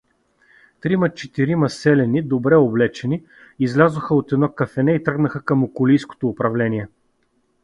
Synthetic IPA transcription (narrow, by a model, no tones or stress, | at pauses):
t̪ɾimɐt͡ʃɛt̪iɾimɐsɛlɛnid̪obɾɛoblɛt͡ʃɛni | izlʲazoxəot̪ɛd̪nɔkɐfɛnɛit̪ɾɤɡnəxəkəmokʊlijsko̥t̪oːpɾɐvlɛnʲiɛ